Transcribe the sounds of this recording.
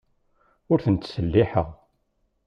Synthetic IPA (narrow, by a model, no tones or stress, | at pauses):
ʊɾθənt̪səlːiħəʁ